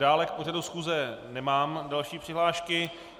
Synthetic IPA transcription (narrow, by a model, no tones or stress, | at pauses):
aːlɛk̚po̞radusxuːzɛnɛmaːmdalʃiːpr̥ɪɦlaːʃkɪ